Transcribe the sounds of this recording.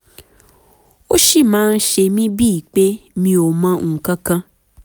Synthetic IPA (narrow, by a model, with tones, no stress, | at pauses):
o˦ʃi˦˨mãː˨˦n̩˦ʃe˧mĩ˦bi˦˨i˨k͡pe˦mĩ˧o˨mã˧˨kã˧kã˧